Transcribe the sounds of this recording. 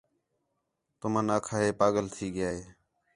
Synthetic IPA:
t̪ʊmə̃ːnaːkʰaːɦeːpaːɠəlt̪ʰiːɠɪjaːɦeː

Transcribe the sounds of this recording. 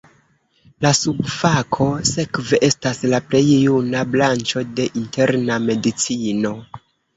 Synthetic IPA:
lasubfakʰo̞se̞kve̞ʔe̞staslaple̞jːunablant͡ʃo̞de̞ʔinte̞ɾname̞dit͡sino̞

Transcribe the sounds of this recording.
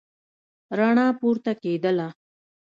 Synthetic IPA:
ɾaɳaːpuɾt̪aked̪əla

